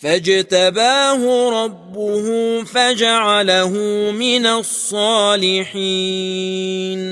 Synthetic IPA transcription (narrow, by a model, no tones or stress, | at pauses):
fad͡ʒat̪abaːhʊɾˤɑbːʊhʊfad͡ʒaʕalaɦʊmɪnasˤːɑːlɪħi | n